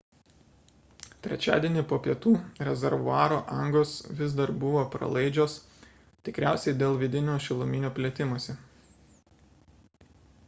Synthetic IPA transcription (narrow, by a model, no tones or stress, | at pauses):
t̪ʲɾʲɛ̰t͡ʃʲæ̰ːd̪ʲiɛnʲipoːpʲiɛt̪uːɾʲɛzʲɛɾʋʊɑːɾoːʔɐŋɡoːsʋʲɪzd̪ɐɾbʊʋoːpɾɐ̰lˠɐɪd͡ʒʲoːs | t̪ʲɪkɾʲæˑʊsʲɛɪd̪ʲeːlˠʋʲɪd̪ʲɪnʲoːʃʲɪlˠʊmʲɪnʲoːpʲlʲiːt̪ʲɪmoɔsʲɛ